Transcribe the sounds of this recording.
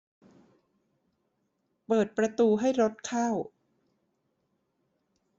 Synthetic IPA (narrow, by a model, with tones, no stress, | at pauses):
pɤː˨˩t̪̚pɾa˧t̪uː˧ɦa˥˩jɾo˦˥t̪̚kʰaː˥˩w